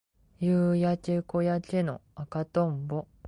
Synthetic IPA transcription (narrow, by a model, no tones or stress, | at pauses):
jɯːjat͡ʃekojat͡ɕeno̞̰akat̪õmbo